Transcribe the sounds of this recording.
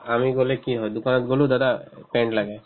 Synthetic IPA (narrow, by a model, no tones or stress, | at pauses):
amiɡolekiɦɔjd̪ukanɔt̪ɡolud̪ad̪apeɳɖlaɡa